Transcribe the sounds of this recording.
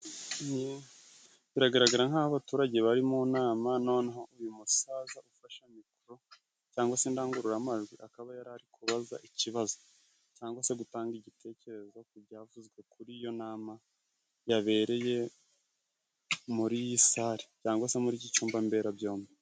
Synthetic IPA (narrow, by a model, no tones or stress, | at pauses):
ni | βiɾaɡaɾaɡaɾaŋ̥haːaβatuːɾaɟeβaɾimonaːmanonahaujimusaːzaufaʃamikuɾo̞ | caːŋɡwase̞ndaːŋɡuɾuɾamaʒɡwiʔakaβajaɾaɾikʰuβaza̰ʔiciβazo | caːŋɡwase̞ɡutaːŋɡiɟitʰe̞ːce̞ɾe̞zo̞kuɾɟavuzɡwe̞kuɾijo̞naːma | jaβe̞ːɾe̞je̞ | muɾijisaːɾicaːŋɡwasemuɾiɟit͡ʃuːmbambe̞ɾabjo̞ːme